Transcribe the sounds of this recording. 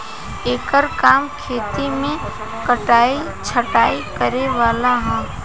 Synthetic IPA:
eːkəɾkaːmkʰeːt̪imẽ | kəʈaːi | t͡ʃʰəʈaːikəɾeʋaːlaɦɛ̃ː

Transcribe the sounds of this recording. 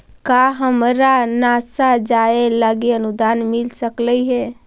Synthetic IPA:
kaɦəmɾanasad͡ʒaelaɡiənud̪anmilsəkləiɦɛ

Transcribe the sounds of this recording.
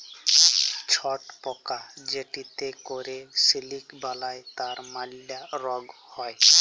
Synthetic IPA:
t͡ʃʰɔʈpɔkad͡ʒeʈit̪ekɔɾesilikbalajt̪aɾmalːaɾɔɡ | hɔj

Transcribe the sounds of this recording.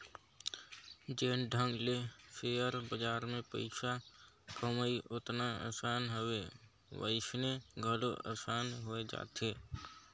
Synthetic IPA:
d͡ʒeːnɖʱə̃ŋɡlefʰeːəɾbəd͡ʒaːɾmẽpə̰ɪʃa | kəməiʔʊt̪naə̰ːsaːnɦowe | ʋə̰ɪʃneɡʱəloʔə̰ːsaːnɦoed͡ʒa̰ːt̪eː

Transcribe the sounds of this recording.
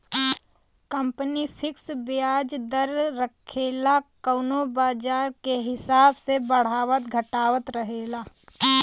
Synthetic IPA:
kə̃mpənipʰɪksbɪjaːd͡ʒd̪əɾːəkʰeːlakəːnobaːd͡ʒaːɾkeɦɪsaːbsebəɽ̤aːʋət̪ɡʱəʈaːʋət̪ɾəɦeːlaː

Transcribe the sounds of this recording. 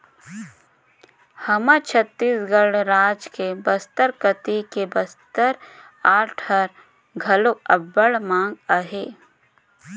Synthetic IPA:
hɐmat͡ʃʰət̪ːiːsɡəɽɾaːd͡ʒkebəst̪əɾkət̪ikebəst̪əɾ | aːɾʈʰəɾ | ɡʱɐloɐbːəɽmãːŋɡəɦeː

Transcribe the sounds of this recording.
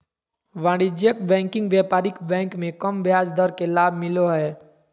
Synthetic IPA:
ʋãːɽid͡ʒjəkbɛ̃ːŋkɪ̃ŋɡʋjaːpaːɾɪkbɛ̃ːŋkmẽkəmbʱjaːsd̪əɾkelaːbʱmɪloɦɛː

